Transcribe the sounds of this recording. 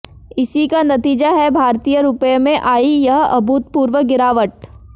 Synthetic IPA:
ɪsikanɐt̪iːd͡ʒaɦɛbʱaːɾt̪ijəɾʊpjemẽʔaːijɐɦɐ̰bʱuːt̪̚puːɾʋəɡɪɾaːʋəʈ̚

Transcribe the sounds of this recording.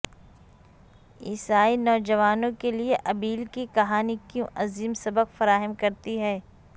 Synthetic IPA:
ḭːsaːinɔːd͡ʒɐʋaːnõkelieʔɐbiːlkikɐɦaːnikjũʔɐziːmsɐbəkfɐɾaːɦəmkɐɾt̪iɦɛː

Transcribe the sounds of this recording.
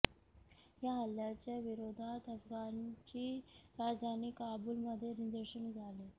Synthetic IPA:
jaɦəljat͡ɕjaʋiɾod̪ʱat̪əfɡant͡ɕiːɾad͡zd̪ʱaniːkabulməd̪ʱːjenid̪əɾɕənid͡zʱale

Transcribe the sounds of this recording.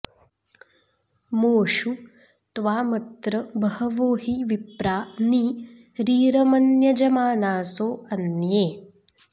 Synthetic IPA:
moːʂu | t̪ʋaːmɐt̪ɾɐbɐhɐʋoːɦiʋipɾaːniː | ɾiːɾɐmɐnjɐd͡ʒɐmaːnaːsoːɐnjeː

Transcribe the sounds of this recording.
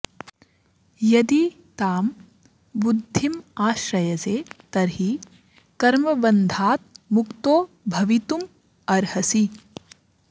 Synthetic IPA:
jɐd̪i | t̪aːm | bud̪ʱːimaːʃɾɐjɐseːt̪ɐɾɦi | kɐɾmɐbɐnd̪ʱaːt̪̚mukt̪oː | bʱɐʋit̪um | ɐɾhɐsi

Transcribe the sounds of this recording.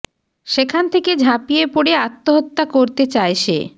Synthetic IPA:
ʃekʰant̪ʰeked͡ʑʱapijepoɽeat̪ːoɦot̪ːakoɾt̪et͡ɕaeʃḛ

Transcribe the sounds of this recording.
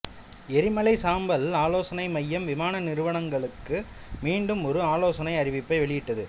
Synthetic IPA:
ɛɾɪmɐlɐɪsaːmbɐlaːloːsɐnɐɪmɐjːɐmʋɪmaːnɐnɪɾɯʋɐɳɐŋɡɐɭɯkːɯ | miːɳɖɯmɔɾɯaːloːsɐnɐɪɐɾɪʋɪpːɐɪʋɛɭɪjɪʈːɐðɯ

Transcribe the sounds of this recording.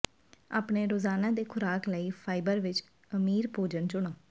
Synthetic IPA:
a̰ːpɳeːɾoːzaːnãːd̪eːkʰʊɾaːkləiːpʰaːɪbəɾʋɪt͡ʃ | əmiːɾpoːd͡ʒənt͡ʃʊɽ̃ãː

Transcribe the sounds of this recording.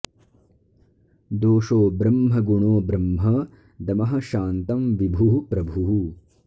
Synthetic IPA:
d̪oːʃoːbɾɐmɦɐɡuɳoːbɾɐmɦɐ | d̪ɐmɐɦɐ̆ʃaːnt̪ɐmʋibʱuɦupɾɐbʱuɦu

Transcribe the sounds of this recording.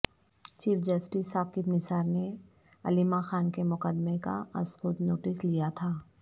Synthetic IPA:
t͡ʃiːfd͡ʒɐsʈɪsaːkɪbnɪsaːɾne | ɐlimaxaːnkemʊqəd̪meka̰ɐskʊːt̪noːʈɪslijat̪ʰaː

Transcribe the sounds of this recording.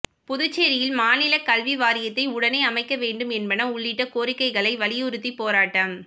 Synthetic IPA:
pʊðʊt͡ʃːeːɾɪjɪlmaːnɪlɐkɐlʋiʋaːɾɪjɐt̪ːɐɪʊɽɐneɪɐmɐɪkːɐʋeːɳɖɯmɛnbɐnɐmʊɭːɪʈːɐkoːɾɪkːɐɪɣɐɭɐɪʋɐɭɪjʊɾɯt̪ːipːoːɾaːʈːɐm

